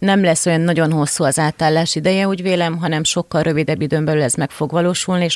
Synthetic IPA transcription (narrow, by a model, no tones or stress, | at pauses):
nɛmlɛsːo̞jɒnːɒɟo̞nɦo̞sːuɒzaːt̪aːlːaːʃid̪ɛjɛuːɟveːlɛmɦɒnɛmʃo̞kːɒlrʔø̞vid̪ɛbːid̪øːmbɛlylɛzmɛkfo̞ɡʋɒloːʃulnieʃ